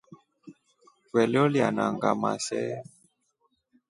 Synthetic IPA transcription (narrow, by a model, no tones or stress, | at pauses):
kwɛljɔljanaŋɡama̰sɛ